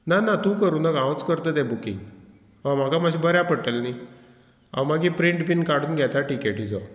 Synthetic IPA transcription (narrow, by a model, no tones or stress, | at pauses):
nanat̪ũkəɾũnaɡãʋət͡skəɾt̪ət̪ɛ̃bukiŋɡ | ʋãm̤akamaɕĩbʱəɾjapəʈəlni | a̰wmaɡipɾiɳʈbinkaɽũːnɡʱjɛt̪aʈikeʈid͡za